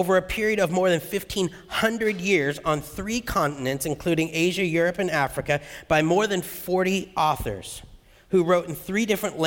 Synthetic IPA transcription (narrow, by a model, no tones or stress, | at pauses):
ʊvə˞ɨpʰɪɹiɨɾʌvmɔɹðɨ̃nfɪftʰĩn | hʌ̃ndɹɨdjɪɹzn̩θɹikʰɑ̃nʔn̩ɨ̃ntsɨ̃nkʰl̥ʉɾɪ̃ŋeɪʒɨjʊɹɨpɨ̃næfɹɨkɨb̥aɪmɔɹðɨ̃nfɔɹɾiʔɔθə̰˞z̥ | huɹoʊɾn̩θɹidɪfɹɨ̃nʔl